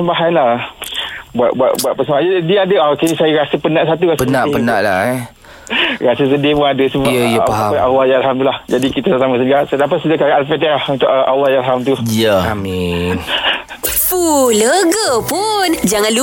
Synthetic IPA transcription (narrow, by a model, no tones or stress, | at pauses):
səmbaɦanlah | baʔbua̰ʔbuaʔpəsəmaɲədiadəakesajaɾasəpənaʔsat̪uɾasənaʔpəna̰ʔla | ɾasəs̬ədiəpunadəsəbəjəapaalːɑjaalɦamt̪ulahd͡ʒadikit̪asasamas̬ənɡasat̪apasudakaɾaʔalfɛt̪alahunt̪uʔʔalːɑhjaalɦamt̪ujəamin | fuləɡəpund͡ʒaŋãnlu